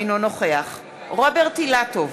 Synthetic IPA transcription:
jnono̞χeaχ | ʁobeʁtilatov

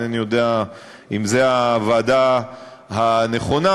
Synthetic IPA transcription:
anijo̞d̪ea | imzeavaːda | haneχo̞na

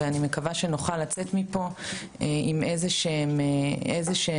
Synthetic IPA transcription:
eanimekavaʃe̞noχalat͡setmipo̞ | eime̞zeʃeemeezeʃe

